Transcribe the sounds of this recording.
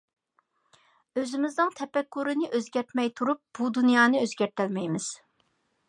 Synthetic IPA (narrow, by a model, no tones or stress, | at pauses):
øzɪmɪznɨŋt̪ʰɛpɛkːuɾɨnɨʔøzɡʲɛɾt̪mɛjt̪ʰuɾup̚b̥ud̪unjɑːnɨøzɡʲɛɾt̪ælmɛjmɪz̥